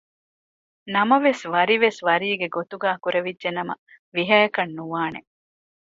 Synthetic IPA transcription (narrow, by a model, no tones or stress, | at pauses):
nɐmɐʋesʋɐɾiʋesʋɐɾiːɡeɡot̪uɡaːkuɾeʋidʒenɐmɐ | ʋiɦɐjɐkɐnːuʋaːnḛ